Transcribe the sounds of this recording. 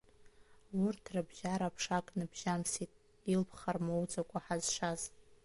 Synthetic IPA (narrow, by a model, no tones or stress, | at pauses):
wʊrtʰrɨbʒaɾapʰʂakʼnɨbʒ̥amsitʼ | ilpʰχarmowd͡zʼakʷʼaħazʂaz